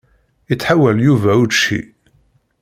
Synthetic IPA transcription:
it͡sːħawæljuvæud̪ʃḭ

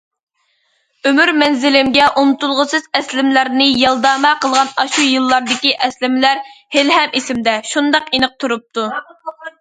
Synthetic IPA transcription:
ømyɾmɛnzɪlɪmɡʲɛʔunɨt̪ulˠʁəsɨz̥ɛslɪmlæɾnɪjɑlˠd̪ɑːmɛqʰəlˠʁɑnɑʃujɨlˠːɑɾd̪ɪkʲiʔɛslɪmɪlæɾhelɦɛmisɪmd̪ɛʃund̪ɑqenɨq̚t̪ʰuɾup̚t̪ʰu

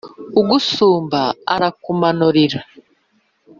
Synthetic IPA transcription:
uɡusuːmbaa̰ɾakumanuɾiɾa

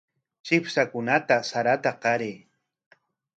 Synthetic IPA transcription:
t͡ʃɪpsakʊnat̪asaɾat̪aqɑɾeː

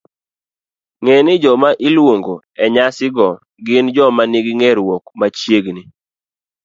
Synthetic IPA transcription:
ŋenɪd͡ʒɔmaʔilwoŋɡo | ɛɲasɪɡɔ | ɡɪnd͡ʒɔmaniɡiŋɛɾwɔkmat͡ʃjeɡni

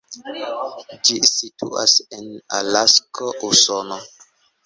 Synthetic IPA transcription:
d͡ʒisitʰṵʔa̰sena̰laskoʔusono

